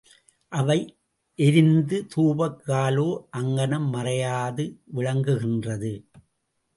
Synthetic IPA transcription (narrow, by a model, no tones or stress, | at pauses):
ʔɐʋɐɪ | ʔɛɾɪnd̪ɯt̪uːbɐkːaːloːʔɐŋɡɐɳɐmːɐrɐjaːðɯʋɪɻɐŋɡɯɣɪndrɐðɯ